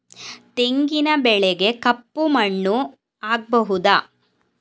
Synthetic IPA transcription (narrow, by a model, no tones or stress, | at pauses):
t̪e̞ŋɡinɐbɛɭɛɡe̞kɐpːumɐɳːu | aːɡ̚bɐɦud̪aː